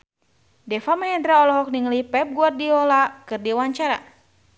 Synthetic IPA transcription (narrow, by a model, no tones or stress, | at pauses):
dɛfamɛɦɛnd̪ɾaɔlɔɦɔk̚niŋlipɛp̚ɡuar̚diɔlakɨrdiwaɲt͡ʃaɾa̰